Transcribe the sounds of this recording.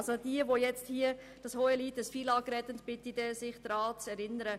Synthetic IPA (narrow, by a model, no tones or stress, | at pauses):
sod̥iəʋojɛt͡sthiə | d̥ɑshoːəliːtəsfilɑːkɾɛt̪əntb̥ɪtidɛsɪχd̥ɾɑːt͡sɛɾɪnəɾə